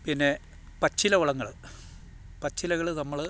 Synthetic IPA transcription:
pinːe̞ | pɐt͡ɕːilɐʋuɭɐŋːɐɭ | pɐt͡ɕːilɐɣɐɭnɐmːɐɭ

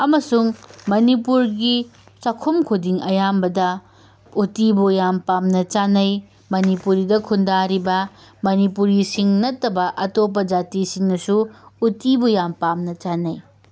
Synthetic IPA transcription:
ɐmɐsuŋmɐnipuɾɡi | t͡ʃɐkʰumkʰodiŋɐjambɐdɐ | utibujampamnɐt͡ʃanɐj | mɐnipuɾidɐkʰundaɾibɐ | mɐnipuɾisiŋnɐtːɐbɐʔɐtop̬ːɐd͡ʒatisiŋnɐsuutibujampamnɐt͡ʃanɐj

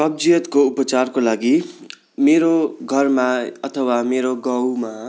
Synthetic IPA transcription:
rʌb̚d͡zijʌt̪koupʌt͡sarkolaɡi | meɾoɡʱʌrmaʌt̪ʰʌwameɾoɡʌ̃wma

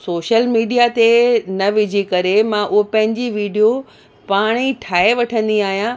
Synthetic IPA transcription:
soːʃəlmiːɖijat̪enɐʋɪd͡ʑʱikɐɾemãʔʊɦopɐ̃ɦɪ̃ɲd͡ʑiʋiːɖijo | paːɽ̃iʈʰaːeʋɐʈʰə̃nd̪iaːɦijã

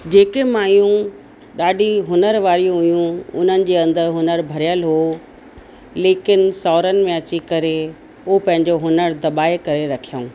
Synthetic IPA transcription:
d͡ʑeːkemaːjũ | ɗaːɖʱiɦʊnəɾʋaːɾijũɦʊjũʊ̰n̤ənɪ̆d͡ʑeːɐ̃nd̪əɾɦʊnəɾbʱɐɾijəlɦo | leːkɪnsɔːɾənɪ̆mẽɐt͡ɕikɐɾe | opɐ̃ɦɪ̃ɲd͡ʑoɦʊnəɾd̪ɐɓaːekɐɾeɾɐkʰijaũː

